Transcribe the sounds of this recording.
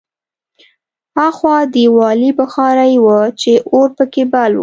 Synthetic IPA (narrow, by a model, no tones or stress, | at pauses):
haxwɑd̪əwɑlibəxɑɾajwət͡ʃeʔoɾpəkebalwṵ